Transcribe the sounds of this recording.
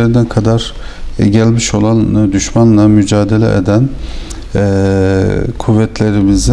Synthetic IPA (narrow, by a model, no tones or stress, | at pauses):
eɾind̪ænkʰad̪aɾ | ɟælʲmiʃo̞lˠand̪yʃmanlˠamyd͡ʒaːd̪elʲɛ̰ʔḛd̪æn | kʰuvːɛt̪ʰlʲe̞ɾimizi